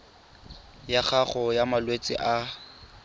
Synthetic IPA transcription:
jaχaχɔjamalwet͡sʼɪ̰ʔa

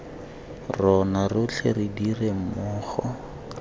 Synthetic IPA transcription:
rɔnarʊt͡ɬʰerɪdiremʊːχɔ

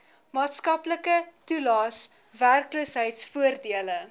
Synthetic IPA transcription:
mɑːtskɐpləkətulɑːs | værkluːsɦəjtsfuərdiələ

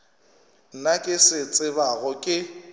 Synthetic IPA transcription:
n̩nakʼɪsɪt͡sʼɪβaɣʊkʼɪ

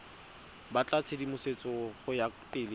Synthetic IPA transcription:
bat͡ɬʼat͡sʰedimʊset͡sɔχʊjapʼɪːlɪ

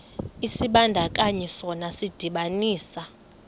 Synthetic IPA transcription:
isiɓandʱakʼaɲɛsɔnasid̥ʱiɓaniːsa

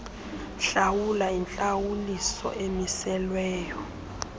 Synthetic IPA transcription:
ɬawulaint͡ɬʼawulisɔ̰ʔemisɛlwɛːjɔ

